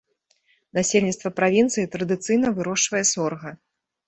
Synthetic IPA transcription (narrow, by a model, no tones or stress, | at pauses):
nasʲelʲnʲit̪st̪vɐpɾavʲint̪sɨjit̪ɾɐd̪ɨt̪sɨjnɐvɨɾɔʂt͡ʂvɐjɛsɔrɣɐ